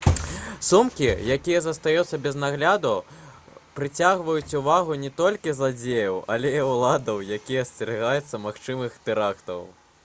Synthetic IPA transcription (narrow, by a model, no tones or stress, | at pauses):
sumkʲijakʲijɐzɐst̪ajut̪sːɐbʲɛznaɣlʲad̪u | pɾɨt͡sʲaɣvɐjut͡sʲuvaɣunʲɛt̪ɔlʲkʲizlˠad͡zʲejɐwɐ̰lʲɛiulˠad̪ɐwjakʲijɐsʲt͡sʲɛɾɨɣajɛt̪sːɐmaxt͡ʂɨmɨxt̪ɨɾakt̪ɐ̰w